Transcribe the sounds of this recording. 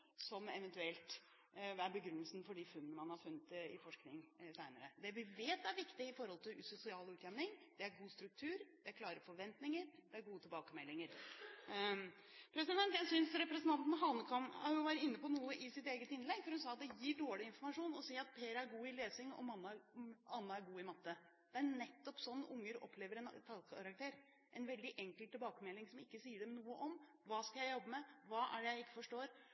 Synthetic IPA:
sɔmɛʋɛnt̪ʉɛlt̪ | æɾbəɡɾʉnːəlsn̩fɔɖɪfʉnːnəmɑnhɑɾfʉnːət̪ɪfɔʂknɪŋsæɪnəɾəd̪ɛʋɪʋeːt̪æɾʋɪkt̪ɪɪfɔɾhɔlt̪ʰɪlsʊsɪɑːlʉːt̪jɛmnɪŋd̪̥ɛæɾɡuːst̪ɾʉk̚t̪ʰʉːɾd̪̥ɛækʰlɑːɾəɾfɔɾʋɛnt̪nɪŋəɾd̪ɛæɾɡuːət̪ʰɪlbɑːkəmɛlːɪŋəɾ | pʰɾɛsɪd̪ɛnt̪jæɪsʏnsɾɛpɾɛsnt̪ɑnt̪n̩ɦɑlnəkʰɔmhɑɾjʊʋæːɾət̪ɪnːəpɔnuːəʔɪsɪt̪eːɡət̪ɪnlɛɡfɔɾhʉnsɑːɑt̪̚d̪ɛjiːɖoːɭɪɪnfɔɾmɑʂuːnɔsiːɑt̪̚pʰeːɾæɾɡuːɪleːsɪŋɔ̰mɑnːɑɑnːɑæɾɡuːɪmɑt̪ːə | d̪̥ɛænɛt̪ːɔpsɔnːʊŋːəɾɔ̰pʰleːʋəɾɛnt̪ʰɑlkʰɑɾɑkt̪ʰeːɾ | ʔɛnʋɛld̪ɪʔɛŋkəlt̪ːɪlbɑːkəmɛlːɪŋsɔmɪkːəsiːəɖɛmnuːəʔɔm | ʋɑːskɑjæɪjɔbːəmɛʋɑːʔæ̰ɖɛjæɪɪkːə̥fɔʂʈoːɾ

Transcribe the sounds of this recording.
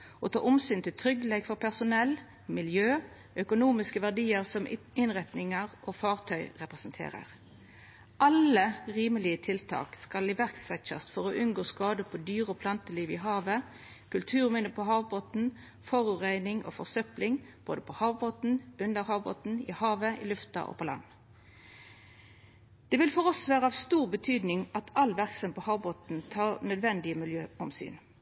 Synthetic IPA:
ot̪ʰɑ̰ːʔʊmsyːnt̪ɪlt̪ʰʁʏɡəlɛɡfɔʁpʰæʁsʊnɛl | mɪljøː | œkʊnuːmɪskəʋæʁɖiːəʁsɔm | ɪnʁɛt̪nɪŋəʁʔofɑːʁt̪ʰœʏʁɛpʁɛsnt̪ʰḛːʁə̰ʁ | ʔɑləʁiːməlɪət̪ʰɪlt̪ʰɑ̰ːkskɑlɪʋæʁksɛt͡ʃɑ̰st̪fɔʁoːʔʉnɡoːskɑːd̪əpʰɔd̪yːʁɔːpʰlɑnt̪əliːʋɪɦɑːʋə | kʰʉlt̪ʰʉːʁmɪnəpʰɔɦɑːʋboːt̪n̩ | fɔʁʉʁæɪnɪŋʔo̰ːfɔʁsœplɪŋb̥o̰ːd̪əpʰɔhɑːʋboːt̪n̩ʉnd̪əʁhɑːʋbo̰ːt̪n̩ɪ̰hɑːʋəʔɪ̰lʉft̪ɑ̰ʔo̰ːpʰɔlɑ̰nː | d̪̥ɛːʋɪlfɔʁɔsʋæːʁəɑʋst̪uːʁbət̪ʰyːd̪nɪŋɑt̪ʰɑlːʋæʁksɔmpɔhɑːʋboːt̪n̩t̪ʰɑːʁnœd̪ʋɛnd̪ɪəmɪljøːɔmsy̰ːn

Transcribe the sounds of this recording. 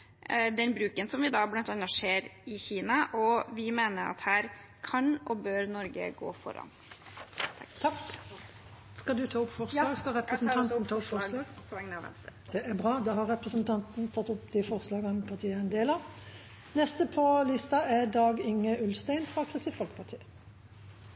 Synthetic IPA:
d̪ɛnbɾʉːkənsɔmʋɪd̪ɑblɑnt̪ɑnɑʂeːɾɪçiːnɑʔɔʋɪmeːnəɾɑ̰t̪hæːɾ | kʰɑnɔbøːɾnɔɾɡə̰ɡo̰ːfɔ̰ɾɑ̰nʰ | ɑk | skɑd̪ʉt̪ʰɑːɔpːfɔʁsɑːɡskɑɾɛpɾəsnʰɑnt̪nt̪ʰɑːɔpfɔlɑːɡ | d̪̥ɛʔæbʁɑːd̪ɑːɦɑʁɛpʁəsənt̪ʰɑnt̪nt̪ʰɑt̪ːɔpːd̪ɪfɔʁslɑːɡɑnpʰɑʁt̪ʰiːəɛnd̪eːlə | nɛst̪əpʰɔlɪst̪ɑʔæʁd̪ɑːɡɪŋːəʉlst̪æɪnfʁɑkʰɾɪst̪iːfɔlkpʰɑt̪ʰiː

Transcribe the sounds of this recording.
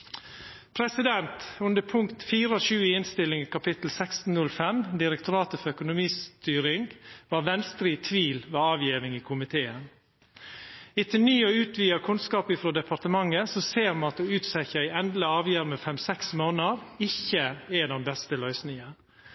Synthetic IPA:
pʰɾɛsɪd̪ɛnt̪ʉnd̪əpʰʊŋkt̪fiːɾəɔʃʉːəɪnst̪ɪlɪŋkʰɑpɪt̪l̩sɛkst̪n̩nʉlfɛmd̪ɪɾɛkt̪ʊɾɑːt̪əfɔɾœkʊnʊmiːst̪yːɾɪŋɡʋɑːɾʋɛnst̪ɾiːt̪ʰʋiːlʋeːɑːʋjiːʋɪŋiːkʰʊmɪt̪ʰeːən | ɪt̪ʰɪnyːoːʉːt̪ʰʋiːɑkʰʉnskɑːpɪfɾoːd̪ɛpʰɑɾt̪əmɑŋəsɔseːɾmɑɑt̪oʉːt̪sɛçəæɪɛnd̪ləɑːʋjæːɾmefɛmsɛksmoːnəɾɪçəɛd̪ɛnbɛst̪əlœʏsnɪŋə

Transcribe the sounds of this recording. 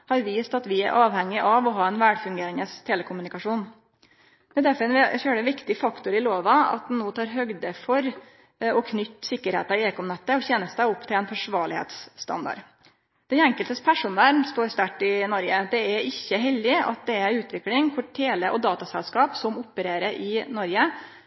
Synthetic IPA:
hɑɾʋiːst̪ɑt̪ʋɪæ̰ɾʔɑːʋhɛŋːɪʔɑʋɔɦɑːɛnʋæɖfʉŋɡeːɾɪŋəst̪ʰeːləkʰʊmʉnɪkɑʂuːn | d̪̥ɛd̪æɾfɔɾɛnføːɖəʋɪkt̪ɪfɑkt̪ʊɾɪloːʋɑɑ̰t̪̚d̪ɛnnoːt̪ʰɑːɾɦœɡd̪əfɔɾ | ɔkʰnʏt̪ːsɪkːəɾhḛːt̪ɑeːkɔmnɛt̪ːəɔçɛnəsæɪʊpːt̪ʰɪlɛnfʰæʂʋɑːɭɪhḛːt̪sːt̪ɑ̰nd̪ɑ̰ɖ | d̪̥ɛnɛŋkəlt̪əspʰæʂʊnæɾst̪oːɾst̪æʈːɪnɔɾɡəd̪ɛæɾɪçːəɦɛld̪ɪɑ̰t̪̚d̪ɛæɾʉːt̪ʋɪklɪŋkʰʊʈʰeːləʔɔd̪ɑːt̪ɑsɛlskɑːpsɔmʊpːəɾeːɾəɾʔɪnɔɾɡə

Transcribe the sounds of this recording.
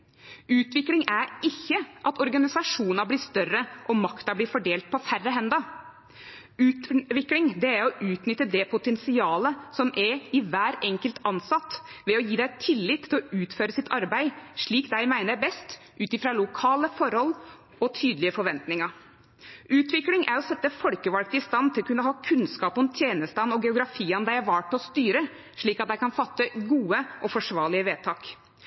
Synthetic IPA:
ʉːt̪ʋɪklɪŋæɾɪçːəʔɑt̪ɔɾɡɑnɪsɑʂuːnɑbliːst̪œrəʔɔmɑkt̪ɑbliːfɔɖeːlt̪̚pʰɔfærːəɦɛnd̪ɑ | ʉːt̪ʋɪklɪŋd̪ɛæɾɔʔʉːt̪nʏt̪ːəd̪ɛpʰʊt̪ɛnsɪɑːləsɔmʔɛɪʋæːɾɛŋkəlt̪ʰɑnsɑt̪ːʋɛɔjiːd̪æɪt̪ʰɪlːɪt̪ʰːɪlɔʔʉːt̪føːɾəsɪt̪ʰɑɾbæɪʂɭiːkd̪æɪmæɪnəɾbɛst̪ | ʔʉːt̪ɪfɾɑlʊkʰɑːləfɔɾhɔlː | ɔt̪ʰyːd̪lɪəfɔɾʋɛnt̪nɪŋɑɾ | ʔʉːt̪ʋɪklɪŋʔæɾɔsɛt̪ːəfɔlkəʋɑlk̚t̪ɪst̪ɑnt̪ʰɪlɔkʉnːəɦɑːkʰʉnskɑːpɔmt̪ʰjeːnəst̪ɑnɔɡɛʊɡɾɑfiːɑnd̪æɪæɾʋɑːʈːɔst̪yːɾə | ʂɭiːkɑt̪̚d̪æɪkʰɑnfɑt̪ːəɡuːəʔɔfɔʂʋɑːɭɪəʋeːt̪ʰɑːk

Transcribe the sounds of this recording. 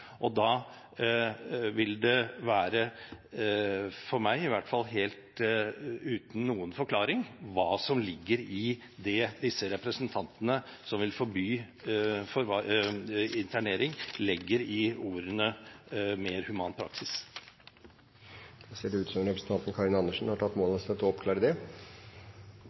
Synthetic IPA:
ʔɔd̪ɑː | ʋɪld̪ɛʋæːɾə | fɔɾmæɪɪʋæʈːfɑlːɦeːlt̪ | ʉːt̪n̩nːuːənfɔɾkʰlɑːɾɪŋʋɑːsɔmlɪɡːəɾɪ | d̪ɛd̪ɪsːəɾɛpɾəsənt̪ʰɑnt̪ənəsɔmʋɪlfɔɾbyː | fɔɾɑ | ɪnt̪ʰæɳeːɾɪŋlɪɡːəɾɪuːɾənəmeːɾhʉmɑːnpʰɾɑ̰ksɪs | d̪̥ɛseːɖɛʉːt̪sɔmɾɛpɾəsət̪ɑnt̪n̩kʰɑɾɪnɑnːəʂn̩hɑʈʰɑt̪ːmoːlst̪ɛt̪ːɔɔpkʰlɑːɾəd̪ɛ

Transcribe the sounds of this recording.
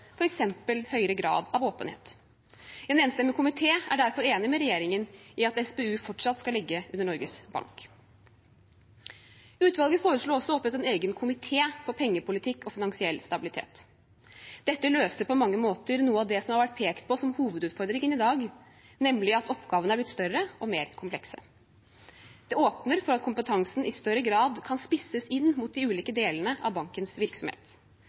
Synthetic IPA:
fɔɾɛksɛmpəlhœʏɾəɡɾɑ̰ːd̪ɑʋoːpənhḛːt̪ | ɛnɛːnst̪ɛmːəkʊmɪt̪ʰeːæɖæɾfɔɾeːnɪmɛɾɛjeːɾɪŋənɪɑt̪ɛsbeːʉːfɔʈʂɑt̪ːskɑlɪɡːəʉnːəɳɔɾɡəsbɑ̰ŋk | ʉːt̪ʋɑlˠɡəfoːɾəʂɭoːɔsːɔɔpət̪ɛneːɡənkʰʊmɪt̪ʰeːfɔɾpʰɛŋːəpʊlɪt̪ʰɪkːɔfɪnɑŋsɪɛlːst̪ɑbɪlɪt̪ʰḛːt̪ | d̪ɛt̪ːəløːsəɾpʰɔmɑŋːəmoːt̪əɾnuːəɑʋd̪ɛsɔmhɑɾʋæʈ̚pʰeːkt̪̚pʰɔsɔmhuːʋəd̪ʉːt̪fɔɾd̪ɾɪŋənɪd̪ɑːɡ | nɛmlɪɑt̪ɔpɡɑːʋənəæɾblɪt̪st̪œɾəʔɔmeːɾkʰʊmplɛksə̰ | d̪̥ɛoːpnəɾfɔɾɑt̪kʰʊmpət̪ʰɑŋsn̩ʔɪst̪œɾːəɡɾɑːd̪kʰɑnspɪsəsɪnːmʊt̪̚d̪ɪʉːliːkəd̪eːlənəɑ̰ʋbɑŋkənsʋɪɾksɔmhḛːt̪

